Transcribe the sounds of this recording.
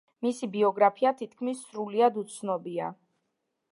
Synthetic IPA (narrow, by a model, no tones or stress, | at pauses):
misibiɔɡɾapʰiat̪ʰit̪̚ʰkʰmisːɾuliad̪ut̪sʰnɔbia̰